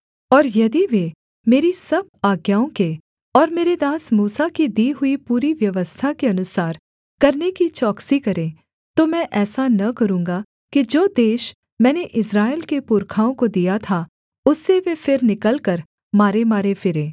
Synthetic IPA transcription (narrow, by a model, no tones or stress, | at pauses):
ɔːɾjɐd̪iʋe | meːɾisɐb̚aːɡjaːõke | ɔːɾmeːɾed̪aːsmuːsakid̪iːɦʊipuːɾiʋjɐʋəst̪ʰakeɐnʊsaːɾ | kɐɾnekit͡ʃɔːksikɐɾẽ | t̪omɛ̃ʔɛːsanɐkɐɾũːŋɡa | kid͡ʒoːd̪eːʃ | mɛ̃ːneʔɪsɾaːɪlkepʊɾkʰaːõkod̪ijat̪ʰa | ʊsːeʋefʰɪɾnɪkəlkəɾ | maːɾemaːɾefɪɾẽː